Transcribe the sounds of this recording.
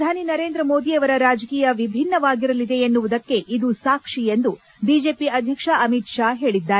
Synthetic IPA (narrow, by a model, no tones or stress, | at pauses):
d̪ʱaːninɐɾe̞ːnd̪ɾɐmo̞ːd̪iɐʋɐɾɐɾaːd͡ʒɐkiːjɐʋibʱinːɐʋaːɡiɾɐlid̪e̞ːnːuʋud̪ɐkːe̞ʔid̪usaːkʂie̞nd̪u | biːd͡ʒe̞ːpiɐd̪ʱjɐkʂaʔɐmit̪ʂaːɦe̞ːɭid̪ːaːɾe